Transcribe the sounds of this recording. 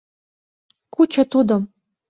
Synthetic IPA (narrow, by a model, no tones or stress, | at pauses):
kʰʷut͡ʃʰɐt̪ud̪om